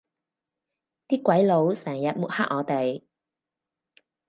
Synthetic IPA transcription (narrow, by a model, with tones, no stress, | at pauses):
t̪iː˥kʷɐ˨˥jlo˨˧wsɛː˨˩ŋjɐ˨t̚mu˨t̚ha̰ː˥k̚ʔɔː˨˧t̪e˨j